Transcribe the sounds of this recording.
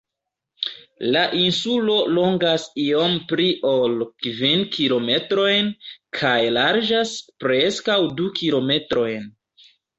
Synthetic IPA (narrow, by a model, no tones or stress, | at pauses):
laʔinsulo̞lo̞ŋɡasio̞mpɾiʔo̞lkvinkilo̞me̞tɾo̞jnkʰajlaɾd͡ʒaspɾe̞skawdukʰilo̞me̞tɾo̞jn